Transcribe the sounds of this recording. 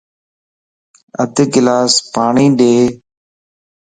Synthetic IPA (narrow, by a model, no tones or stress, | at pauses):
ə̰d̪kɪlaːspaːɳiːɗeː